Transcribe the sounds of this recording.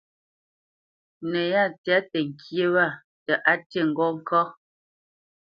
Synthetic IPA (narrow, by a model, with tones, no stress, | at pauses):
nɛ˨ja˦˨t͡sja˨˦tɛ˨ŋ̩˨kʰje˦wa˦˨ | tɛ˨ʔa˦te˦˨ŋ̩˨ɡɔ˦ŋ̩˦kʰɔ˦